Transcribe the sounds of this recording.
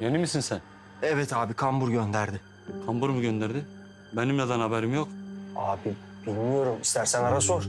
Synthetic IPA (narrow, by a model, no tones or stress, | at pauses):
jønimisinsæn | ɛvɛt̪ʰaːbikʰambuɾɟø̞nd̪æɾd̪ɪ | kʰambuɾmuɟønd̪æɾd̪ɪ | benimlʲad̪anhabɛɾimjokaːbi | b̥ilʲmijo̞ɾumist̪ʰæɾsænaɾasoɾ